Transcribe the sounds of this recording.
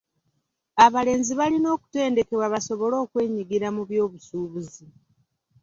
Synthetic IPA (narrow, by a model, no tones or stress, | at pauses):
aβale̞ːnziβalino̞ːku̥te̞ːnde̞ke̞waβaso̞βo̞lo̞ːkwe̞ːɲiɡiɾamuβjo̞ːβusuːβuzi